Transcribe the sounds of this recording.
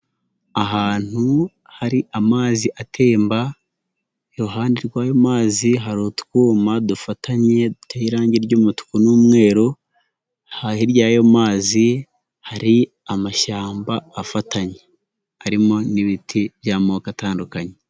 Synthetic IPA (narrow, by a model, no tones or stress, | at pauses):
aɦaːn̥hu | haɾiʔamaːziʔatʰe̞ːmba | jo̞ɦaːndiɾɡwaːjo̞maːziɦaɾotu̥kuːmadufatʰaɲedutaiɾaːɲɟiɾɟoːmutu̥kunuːmŋe̞ːɾo | hahiɾɟaːjo̞maːzi | haɾi | amaʃaːmbaːfataɲe | haɾimo̞niβitʰiβjaːmoːkataːndukaɲe